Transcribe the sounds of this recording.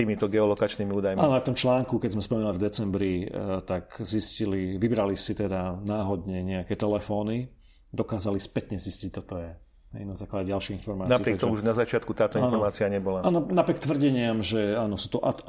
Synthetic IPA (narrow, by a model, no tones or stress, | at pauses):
t̪iːmit̪ɔɡɛɔlɔkat͡ʃniːmiuːd̪ajmaːnɔaft̪ɔmt͡ʃlaːŋkukɛɟzmɛspɔmɛnulivd̪ɛt͡sɛmbɾit̪aɡzisciliʋibɾalisit̪ɛd̪anaːɦɔd̪ɲɛɲɛakɛt̪ɛlɛfɔːni | d̪ɔkaːzalispɛt̪ɲɛziscic̚t̪ɔt̪ɔjɛ | ɦɛ̰jnazaːklaɟɛɟalʃiɣinfɔɾmaːnaikɾɪɛat̪ɔmuʒnazat͡ʃɪat̪̚kut̪aːt̪ɔinnːanfɔɾmaːt͡siaɲɛbɔlaaːnɔnapɾɪɛk̚t̪ʋr̩ɟɛɲɪamʒɛaːnɔsuːt̪ɔʔa